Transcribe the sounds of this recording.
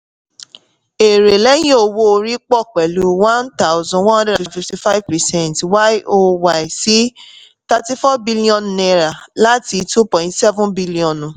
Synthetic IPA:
e˨ɾe˨lɛ˦jĩ˦o˧wo˦o˧ɾi˦k͡pɔ˦˨k͡pɛ˨lu˨˦wã˦nta˦ʊ˦zɔ̃˨wɔ̃˦hɔ̃˦dɾɛ˦dã˨nfi˧fti˧fa˦ivpɛ˨sɛ̃˦˨ntwa˦ʔo˦wa˨i˨si˦ | ta˧ti˦fɔ˦bi˦li˦ɔ̃˨nnɛ˧ɾa˨la˦ti˧tu˦pɔ̃˨ĩ˦tsɛ˦vũ˦nbi˦li˦ɔ̃˨nũ˨

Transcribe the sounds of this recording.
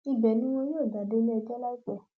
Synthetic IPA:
i˧bɛ˨nĩ˦w̃ɔ̃˧joː˦˨da˨de˨˦lɛ˦ɛ˧d͡ʒɛ˦la˦i˦k͡pɛ˦˨

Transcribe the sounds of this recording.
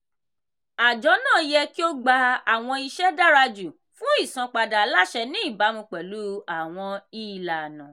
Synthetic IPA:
a˨d͡ʒɔ˨˦nãː˦˨˦jɛ˧ki˦o˦ɡ͡ba˧a˨w̃ɔ̃˧i˧ʃɛ˦da˦ɾa˧d͡ʒu˨ | fũ˦i˦˨sã˧k͡pa˧da˨˦la˦ʃɛ˧nĩ˦i˦˨ba˨˦mũ˧k͡pɛ˨lu˨˦a˨w̃ɔ̃˧i˦˨la˨nã˨

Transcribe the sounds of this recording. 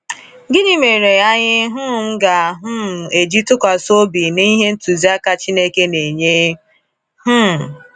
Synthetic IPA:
ɡɪ˦ɲi˦me˨ɾe˨ja˦ɲɪ˦ɦʊ˦˨m̩˦ɡa˨ɦʊ˦˨e˨d͡ʒi˦tʊ˦kʷa˨so˦bi˨ni˦ɦe˦n̩˦tu˨zi˦a˦ka˨t͡ʃi˦ne˦ke˦ne˨ɲe˦ | hʊ˦˨

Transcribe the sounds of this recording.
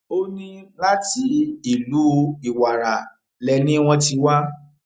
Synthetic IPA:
o˦nĩ˦la˦ti˦i˨lu˨˦i˨wa˨ɾa˨ | lɛ˧nĩ˦w̃ɔ̃˧ti˧wa˦

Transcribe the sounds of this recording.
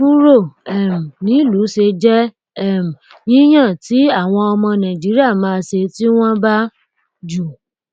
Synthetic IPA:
bu˦ɾo˦˨ɛ˨m̩˨nĩ˨˦lu˨˦ʃe˧d͡ʒɛ˦ | ɛ˦˨m̩˨ | jĩ˦j̃ã˦˨ti˨˦a˦˨w̃ɔ̃˧ɔ˧mɔ̃˧nã˨d͡ʒi˨˦ɾi˦a˦˨mãː˧ʃe˧ti˦w̃ɔ̃˦ba˦ | d͡ʒu˨

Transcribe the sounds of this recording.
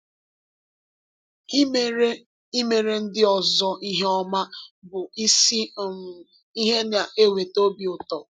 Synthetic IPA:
i˦me˨ɾe˦n̩˦dɪ˦ɔ˨zɔ˦ʔi˦ɦe˦ɔ˦ma˦bʊ˨i˦si˦˨ | i˦ɦe˦n˨a˨ʔe˦we˨to˦bi˨ʊ˨tɔ˨

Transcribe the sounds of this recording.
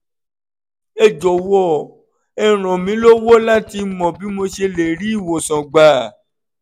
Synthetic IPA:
e˦d͡ʒo˨wɔ˦˨ | ɛ˨ɾ̃ɔ̃˨mĩ˨˦lo˦wo˦la˦ti˧˦mɔ̃˨bi˨˦mo˧ʃe˧le˨ɾi˦i˦˨wo˨sɔ̃˨ɡ͡ba˨

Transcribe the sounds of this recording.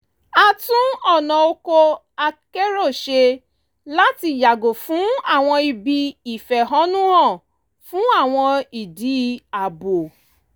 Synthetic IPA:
a˦tũ˦ɔ˨nɔ̃˨o˦ko˦ | a˦ke˦ɾo˦˨ʃe˧ | la˦ti˨ja˨ɡo˨fũ˦a˨w̃ɔ̃˧i˨bi˧i˨fɛ˨ɦɔ˦nũ˦ɦɔ̃˦˨ | fũ˦a˦˨w̃ɔ̃˧i˨di˨˦a˨bo˨

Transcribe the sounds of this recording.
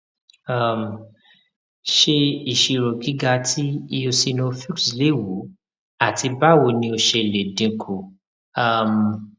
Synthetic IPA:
a˨m˨ | ʃe˧i˨ʃi˧ɾo˨ɡi˨˦ɡa˧tʰi˦i˧o˧si˧nõ˧fi˦ksle˨˦˨wu˨˦ | a˦˨ti˧ba˦wo˧˨nĩ˧˦o˧ʃe˧˨le˨dĩ˧kʰu˨ | a˨m˨

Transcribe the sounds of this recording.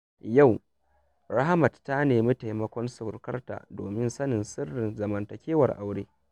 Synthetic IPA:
ja˦˨w | ɾa˦ha˦mɐ˨ttːa˦neː˨mi˦ta˨jmɐ˦kʷɔ˦nsʊ˨rkɐ˦rta̰ː˨do̰ː˨mɪ˦nsɐ˦nɪ˨nsɪ˦rːɪ˨nzɐ˨mɐ˨ntɐ˨kʲeː˦wɐ˨rʔa̰˨wɽeː˦

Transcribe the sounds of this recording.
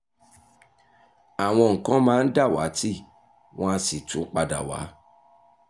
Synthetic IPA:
a˨w̃ɔ̃˧ŋ̩˨kã˨˦mãː˦n̩˦da˦˨wa̰˨˦ti˦ | w̃ɔ̃˦a˧si˨tũ˨˦k͡pa˧da̰˨wa̰˨˦

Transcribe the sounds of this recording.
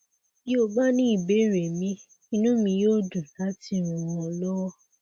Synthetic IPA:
jo˦˨ba˦nĩ˦i˦˨be˨˦˨ɾe˨mĩ˧˦ | ĩ˧˦nũ˦mĩ˧joː˦˨du˨la˦ti˧˨ɾ̃ũ˧mmɔ̃˧lɔ˦wɔ˦

